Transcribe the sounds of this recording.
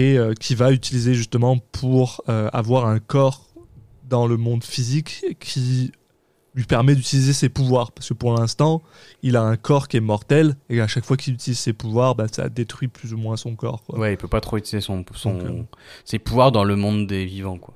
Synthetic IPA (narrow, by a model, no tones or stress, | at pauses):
eøkʲʰivayt̪ilizeʒyst̪əmɑ̃pʰuʁøa̰vwaʁɛ̃kɔʁ | d̪ɑ̃ləmɔ̃d̪fizikʰːi | lɥipɛʁmɛd̪yt̪ilizesepuvwaʁpaʁskəpuʁlɛ̃st̪ɑ̃ | ilaɛ̃kʰɔʁkʲiɛmɔʁt̪ɛleaʃakfwakilyt̪iliz̥sepuvwaʁbasa̰d̪et̪χɥiplyzumwɛ̃sɔ̃kɔ̰ːʁkwwɛilpøpat̪χoyt̪ilizesɔ̃sɔ̃sepuvwaʁd̪ɑ̃ləmɔ̃d̪ːevivɑ̃kwa